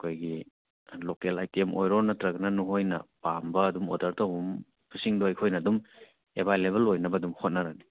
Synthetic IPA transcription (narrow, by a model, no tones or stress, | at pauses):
ɐkʰojɡi | lokelajtemʔojɾoɾnɐtɾɐknɐnuɦojnɐ̰pambɐːdumodɐɾtowum | pʰusiŋdojkʰojnɐːdum | ebʱajleβɐlojnɐbɐdumhʰot̚nɐɾani